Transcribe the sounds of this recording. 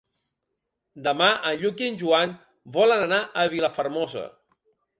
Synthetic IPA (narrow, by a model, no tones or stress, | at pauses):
d̪əmaʔənʎuk̬inʲʒuan | bɔlənənaʔəβiləfəɾmɔzə̰